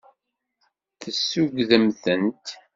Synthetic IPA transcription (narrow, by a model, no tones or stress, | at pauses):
θəsːʊɡðəmθənt̪